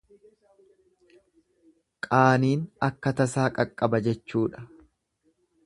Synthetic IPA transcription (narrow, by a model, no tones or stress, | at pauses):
kʼaːniːnɐkːɐt̪ɐsaːkʼɐkʼːɐbɐd͡ʒɛt͡ʃːuːᶑɐ̥